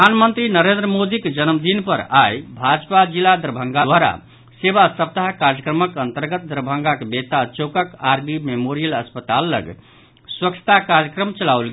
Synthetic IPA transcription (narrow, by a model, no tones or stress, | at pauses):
panmənt̪ɾinəɾend̪ɾəmod̪ikd͡ʒənəmd̪inpəɾajbʱad͡ʒpad͡ʒilad̪ɾəbʱə̃ŋɡaaɾa̰ | sebasəp̚t̪aɦkaɾjəkɾəməkənt̪əɾɡət̪̚d̪ɾəbʱəŋɡakbet̪at͡ʃokəkaɾbimemoɾijələspət̪alːə̰ɡʱ | swəkt͡ʃʰə̥t̪akaɾjəkɾəmt͡ʃəlawlɡ